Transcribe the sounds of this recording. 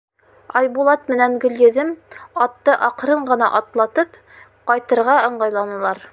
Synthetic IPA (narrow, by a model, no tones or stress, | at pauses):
ɒjbulˠɑt̪mɘ̆næŋɡɵ̆ljɵ̆ðɘmɒt̪ːɤʔɒqɾɤɴɢɤ̆nɑ̰ʔɒt̪lˠɑt̪ɤp | qɒjt̪ɤ̆ɾʁɑɤ̆ɴɢɑjlˠɑnɤ̆lˠɑɾ